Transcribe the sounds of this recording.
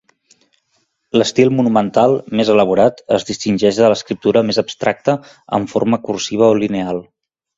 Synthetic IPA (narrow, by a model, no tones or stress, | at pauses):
ləst̪ilˠmunumənt̪alˠmezələβuɾat̪əzðist̪inʲʒɛʒələskɾip̚t̪uɾəmezəbst̪ɾak̚t̪ə | ə̰ɱforməkursiβ̞əolinealˠ